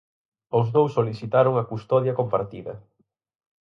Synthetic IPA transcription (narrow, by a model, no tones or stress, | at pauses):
owznowsːoliθit̪aɾoŋɐkust̪ɔðjɐkompaɾt̪iðɐ̰